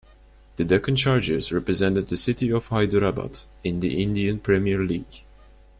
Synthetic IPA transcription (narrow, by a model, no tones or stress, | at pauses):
ð̥ɨdɛkə̃nt͡ʃɑɹd͡ʒɪzɹɛpɹɨzɛ̃ntɨd̪̚ðɨsɪtiɔv̥haɪdəɹabə̰t | ɪ̃nðḭʔɪ̃ndiɨ̃npʰɹ̥ɛmiəɹliːɡ̥